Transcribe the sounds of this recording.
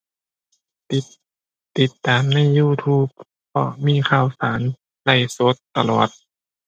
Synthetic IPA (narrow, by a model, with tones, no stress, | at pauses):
t̪i˨˩t̪ːaː˨mna˧˥˨jːuː˧˩t̪ʰuː˧˥˩p̚ | pʰɔ̰˧miː˧˥˨xʰaː˧˩wsaː˩˦n | la˧˩jsoː˧˦˥t̪ːa˧˨lɔ̰ː˨˩t̪̚